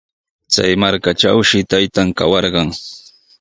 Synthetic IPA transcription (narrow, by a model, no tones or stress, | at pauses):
t͡sa̰jmaɾkaʈ͡ʂawʃɪt̪ajt̪amkawɑɾɢɑŋ